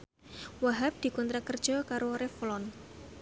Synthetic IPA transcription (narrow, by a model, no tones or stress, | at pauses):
waɦap̚d̪̥i̤kɔnt̪ɾakərd̥ʒ̥ɔkaɾoɾeflɔn